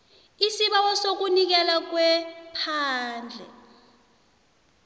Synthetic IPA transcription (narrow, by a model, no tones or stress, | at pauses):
isiɓawɔsok̬unik̬ɛlak̬wɛpʰaːnd͡ɮʱɛ̰